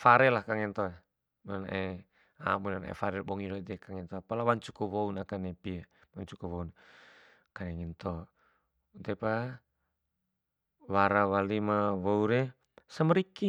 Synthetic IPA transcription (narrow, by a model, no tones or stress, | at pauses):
faɾɛlahkaŋint̪oa | munanʔe | a̰munanɛ̰faɾɛlbɔŋiɾɔt̪ɛkaŋint̪ɔapalawaɲt͡ʃu̥kuβɔunakanɛpiawaɲt͡ʃukɔwɔun | kanɛŋint̪ɔ | ut̪ɛpa | waɾawalimaβɔuɾɛ | səməɾiki